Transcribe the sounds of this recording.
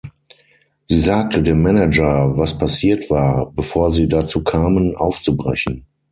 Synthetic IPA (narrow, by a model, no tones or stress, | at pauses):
z̥iːzaːk̚tʰədeːmːɛnɛd͡ʒɐvaspʰasiːɐtv̥aːɐbəfoːɐziːdat͡suːkʰaːmənʔa̰ʊft͡subʁɛ̰çn̩